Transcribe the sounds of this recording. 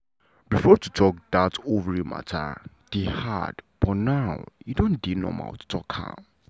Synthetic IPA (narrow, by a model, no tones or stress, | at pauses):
bifɔtʰutʰɔk̚datovəɹimʔa̰tʰa̰ | d̥eha̰db̥ɔnaʊidõndinɔ̰ma̰ltʰu̥tʰɔkha̰